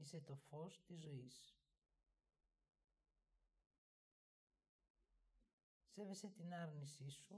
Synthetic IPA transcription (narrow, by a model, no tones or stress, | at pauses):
ise̞t̪o̞fo̞st̪izːo̞is | se̞ve̞se̞t̪inɐɾnisisu